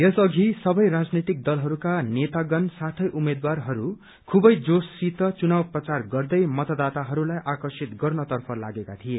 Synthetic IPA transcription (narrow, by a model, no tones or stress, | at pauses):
jesʌɡʱisʌbʌjɾad͡znit̪ik̚d̪ʌlɦʌɾukanet̪aɡʌnsat̪ʰʌjʔumed̪warɦʌɾu | kʰubʌjd͡zosit̪ʌt͡sunawprʌt͡sarɡʌrd̪ʌjmʌt̪ʌd̪at̪aɦʌɾulajʔakʌrsit̪ɡʌrnʌt̪ʌrpʰʌlaɡekat̪ʰie